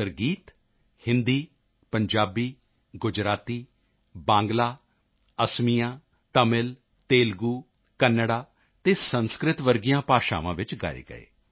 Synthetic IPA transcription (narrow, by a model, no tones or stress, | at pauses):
əɾɡiːt̪ | hɪ̃nd̪iː | pəɲd͡ʒaːbiː | ɡʊd͡ʒɾaːt̪iː | bãːŋɡlaː | əsmijãː | t̪əmɪl | t̪eːlɡuː | kənːəɽaː | t̪eːsənskɾɪt̪ʋəɾɡijãːpaːʃa̰ːʋãːʋɪt͡ʃɡa̰ːḛːɡə̰ḛː